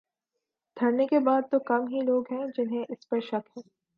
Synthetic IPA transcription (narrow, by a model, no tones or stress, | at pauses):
d̪ʱɐɽnekebaːd̪̚t̪okɐmɦiloːɡɦɛ̃d͡ʒɪnɦẽʔɪspɐɾʃɐkɦɛ̃ː